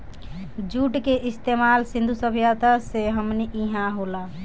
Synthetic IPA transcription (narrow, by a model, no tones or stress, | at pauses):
d͡ʒuːʈkeʔɪst̪emalsĩnd̪ʱusəbʱjat̪aseɦəmniʔiɦãɦola